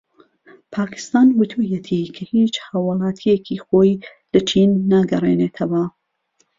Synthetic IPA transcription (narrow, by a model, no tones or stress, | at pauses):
pʰaːkʰɪ̥st̪aːnwɨt̪ʰujet̪ʰikʰɐhit͡ʃhaːwɑlˠɑːt̪ʰijekʰiːxoːj | lɐt͡ʃʰinːaɡɐrḛneːt̪ʰɐwa